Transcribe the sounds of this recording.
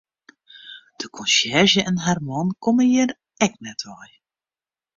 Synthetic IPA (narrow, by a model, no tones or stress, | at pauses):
d̥əkʰɔnsjɛrʒəʔɛnɦarmɑnkoməjər | ɛk̚nɛtʰʋɔj